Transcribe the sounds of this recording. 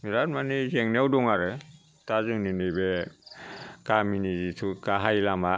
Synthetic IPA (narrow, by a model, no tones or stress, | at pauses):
miɾatmanizeŋnewdɔŋaɾɯ | tazɯŋninɯbe | kaminizitʰukaɦajlama